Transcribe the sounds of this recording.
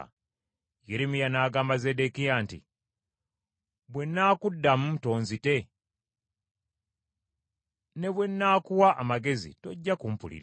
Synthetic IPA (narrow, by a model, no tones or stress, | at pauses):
jeɾemijanaːɡaːmbazedekijantḭ | βwe̞nːakudːamuto̞ːnzite̞ | ne̞βwe̞nːaːkuwaʔamaɡe̞zḭto̞ɟːakum̩pṵlḭɾ